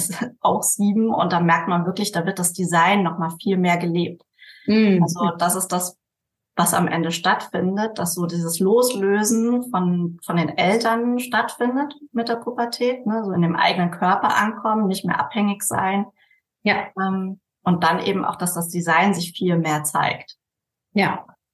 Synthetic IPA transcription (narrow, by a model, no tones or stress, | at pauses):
ɛsʔaʊxz̥iːbm̩ʔʊ̰nt̚d̥anmɛɐk̚tmanvɪɐklɪçd̥aːvɪɐt̚d̥asd̥izaɪnːɔχmaːlfiːlmeːɐɡəleːp̚t | ʔalzod̥asɪstd̥as | vasa̰mʔɛ̰ndəʃtatfɪndət̚d̥asz̥oːdiːzəsloːsløːzn̩fɔnfɔndeːnʔɛltɐnʃtatfɪndətmɪt̚d̥eːɐpʰupɐtʰɛːtnəzoːɪndeːmʔa̰ɪɡənənkʰœɐpɐʔa̰nkʰɔmənɪçtmeːɐʔa̰phɛŋɪçz̥a̰ɪn | ʔɛm | ʔʊnt̚d̥anʔḛːbm̩ʔa̰ʊxd̥asd̥asd̥izaɪnzɪçfiːlmeːɐt͡sa̰ɪkt | ja